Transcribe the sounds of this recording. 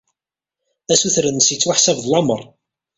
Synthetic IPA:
æsuθɾənːəsit͡sːwaħsævðlɑməɾˤ

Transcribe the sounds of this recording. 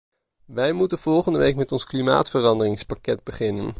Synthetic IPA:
ʋɛjmutənv̥ɔlˠχəndəʋejkmɛtɔnsklima̰ːtfərɑndərɪŋspakɛd̚bəχɪnən

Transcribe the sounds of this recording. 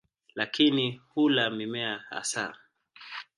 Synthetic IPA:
lakʰinihulamimɛaa̰sa̰

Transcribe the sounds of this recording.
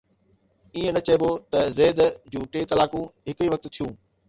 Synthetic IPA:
iːẽnɐt͡ɕɐɪbot̪ɐzeːd̪d͡ʑũːʈeːt̪ɐlaːkũɦɪkiʋɐk̚t̪t̪ʰijũː

